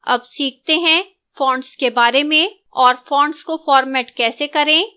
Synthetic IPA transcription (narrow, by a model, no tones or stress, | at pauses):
ɐ̰bsiːk̚t̪eɦɛ̃ | fɔ̃ːɳɖskebaːɾemẽ | ɔːɾfɔ̃ːɳɖskofɔːɾmɛːʈkɛːsekɐɾẽː